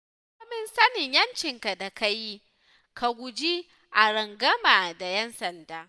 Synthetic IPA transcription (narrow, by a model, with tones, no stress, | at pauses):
mɪ˦nsɐ˦nɪ˨ɲjɐ˦nt͡ʃɪ˨ŋka˨da˨ka˦ji˦ | kʰa˨ɡʷʊ˨d͡ʒi˦ | ʔa˨ɽɐ˨ŋɡɐ˦maː˨da˨jɛ˦nsɐ˨ndaː˦